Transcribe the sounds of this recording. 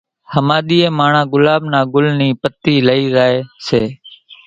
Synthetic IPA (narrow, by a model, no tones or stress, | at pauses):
həmaːɗ̪iːẽːmaːɳãːɡʊlaːɓnãːɡʊlniːpət̪iːləiːzaːeːseː